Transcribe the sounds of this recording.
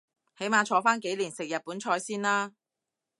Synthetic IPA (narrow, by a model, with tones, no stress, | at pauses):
he˨˥jmaː˧t͡ʃʰɔː˨˧faː˥nke˨˥jliː˨˩nsɪ˨k̚jɐ˨t̚puː˨˥nt͡ʃʰɔː˧jsiː˥nlaː˥